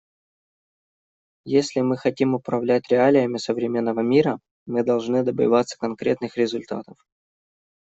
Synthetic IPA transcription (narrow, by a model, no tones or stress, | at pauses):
jesʲlʲɪmɨxɐtʲimʊpɾɐvlʲæt̚ʲɾʲɪalʲɪjəmʲɪsəvɾʲɪmʲe̞nːəvəmʲiɾə | mɨd̪ɐlˠʐnɨd̪əbɨ̰jvat̪sə̥kɐnkɾʲet̪nɨxɾʲɪzʊlʲt̪a̰t̪əf